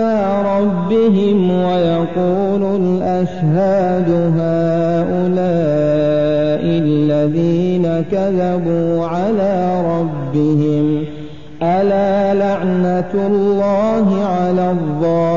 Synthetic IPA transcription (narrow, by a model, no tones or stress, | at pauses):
aː | ɾˤɑbːɪɦɪmwajɑquː | lʊlʔaʃɦaː | d̪ʊɦaː | ʔʊlaː | ʔɪlːaðiːnakaðabuːʕalaːɾˤɑbːɪhɪm | ʔalaːlaʕnalːɑːɦɪʕalaːðˤːɑː